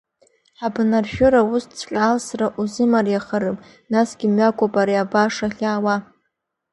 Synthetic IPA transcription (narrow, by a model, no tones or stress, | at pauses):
ħabnarʃᶣʊɾaust͡sʰqʲʼaːlsraʔuzɨmarjaχaɾɨpʼ | nasɡʲɪmɥakʷʼopʼaɾiabaʂaχʲaːwa